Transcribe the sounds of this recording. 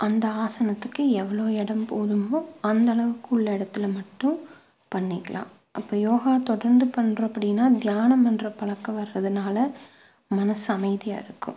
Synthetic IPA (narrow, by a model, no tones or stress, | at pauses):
ʔɐnd̪ɐaːsɐnɐt̪ːɯkːɯɛʋɐɭoːɛɽɐmpoːðɯmõɐnd̪ɐlɐʋɯkːɯʊɭːɐɪɽɐt̪ːɪlmɐʈːʊ̃ | pɐɳːɪkːɐlã̰ː | ʔɐpːoːjoːɣaːt̪ɔɽɐɾnd̪ɯpɐɳːɾɐ̃ɐpːɐɽɪnːaːd̪jaːnɐmɐnrɐpɐɭɐkːɐʋɐɾɾɐðɯnaːlɐ | mɐnɐsɐmɐɪðɪja̰ːɪɾɯkːʊ̰